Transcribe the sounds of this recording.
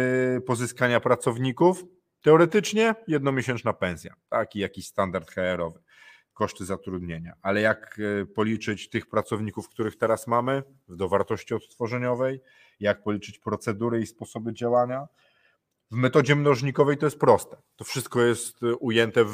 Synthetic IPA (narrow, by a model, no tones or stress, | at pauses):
pɔzɘskaɲapɾat̪sɔvɲikuf | t̪ɛɔɾɛt̪ɘt͡ʂɲɛjɛd̪̚nɔmʲeɕɛnt͡ʂnapɛ̃sʲja̰t̪akijakʲiɕst̪and̪aɾt̪xɛɛɾɔvɘ | kɔʂt̪ɘzat̪ɾud̪ɲeɲaʔalɛjakpɔlʲit͡ʂɘt͡ɕt̪ɘxpɾat̪sɔvɲikufkt̪uɾɘxt̪ɛɾasmamɘ | vd̪ɔvaɾt̪ɔɕt͡ɕiɔt̪st̪fɔʐɛɲɔvɛj | jak̚pɔlʲit͡ʂɘt͡ɕpɾɔt̪sɛd̪uɾɘispɔsɔbɘd͡ʑawaɲa | vmɛt̪ɔd͡ʑɛmnɔʐɲikɔvɛjt̪ɔjɛst̪̚pɾɔst̪ɛt̪ɔfʂɘst̪̚kɔjɛst̪ujɛnt̪ɛ